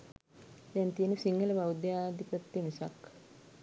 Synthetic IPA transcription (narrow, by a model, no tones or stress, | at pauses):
d̪ɛnt̪ijənəsiŋɡələbawd̪jaːd̪ipɾət̪ːemisa̰k